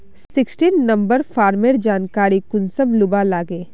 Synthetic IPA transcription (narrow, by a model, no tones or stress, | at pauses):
ssɪksʈiːnːɐ̃mbəɾfaːɾmeɾd͡ʒaːnkaːɾikʊnsəmlʊbalaːɡeː